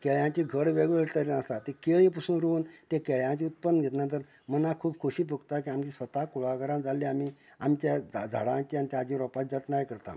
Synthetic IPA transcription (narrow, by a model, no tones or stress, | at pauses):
kɛɭjãt͡ɕiɡʱəɽʋeɡʋeɾt̪əɾinəst̪at̪ekeɭip̬usuːnɾuːnt̪ekeɭjãt͡ɕiːut̪̚pənːəɡʱet̪nãt̪̬əɾ | mənakʰuːbkʰuɕiːp̬ukt̪akiamt͡ɕĩsʋət̪akuɭaɡaɾãd͡zalːiami | amt͡ɕjad͡zʱa̰ɽãt͡ɕianit̪jaad͡ʑĩɾɔpat̪̚d͡zat̪najkəɾt̪a̰